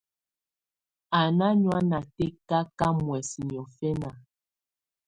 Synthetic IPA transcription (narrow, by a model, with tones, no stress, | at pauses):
a˨na˦ɲwa˦na˨tɛ˦ka˦ka˦mwɛ˨si˨ɲ˨ɔ˨fɛ˦na˨